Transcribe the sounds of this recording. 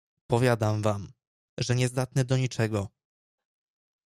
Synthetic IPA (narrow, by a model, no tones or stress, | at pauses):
pɔvʲjad̪amvam | ʐɛɲɛzd̪at̪nɘd̪ɔɲit͡ʂɛɡɔ